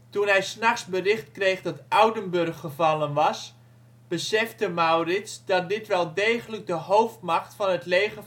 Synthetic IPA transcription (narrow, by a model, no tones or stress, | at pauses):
tunɦɛjsnɑχsbərɪχtkrejχdɑtʔawdənbɵrχːəvɑlˠənʋɑs | b̥əsɛftəmawrɪtsdɑt̚dɪtʋɛlˠdeːχələk̚dəɦowftmɑχtfɑnətlejɣə